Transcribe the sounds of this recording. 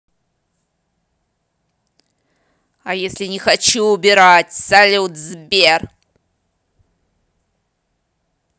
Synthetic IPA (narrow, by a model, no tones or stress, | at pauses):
ajesʲlʲinʲixat͡ʃʰuubʲiɾatʲsalʲut̪ʰzbʲer